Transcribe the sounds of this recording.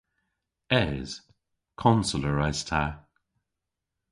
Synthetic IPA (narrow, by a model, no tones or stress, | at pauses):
ɛz̥ | kʰɔnsələɹaz̥tʰa